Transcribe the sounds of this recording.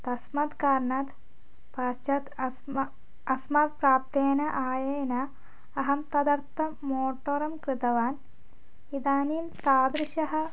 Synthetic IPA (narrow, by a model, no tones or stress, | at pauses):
t̪ɐsmɐt̪kaːɾɳaːt̪ | paːst͡ʃɐt̪ | ɐsmat̪̚pɾaːp̚t̪eːnɐʔaːjɐjɐnɐ | ɐɦɐmt̪ɐd̪ɐrt̪ːɐ | moːʈːoːɾɐmkɾɨt̪ɐʋaːn | id̪aːniːmt̪aːd̪ɾiʃɐɦɐ̆